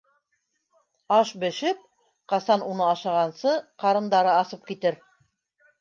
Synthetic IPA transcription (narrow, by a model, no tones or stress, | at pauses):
ɑʃbɘ̆ʃɘp̚ | qɑsɑnunɤɑʃɑʁɑnsɤqɑɾɤ̆nd̪ɑɾɤɑsɤp̚kit̪ɘɾ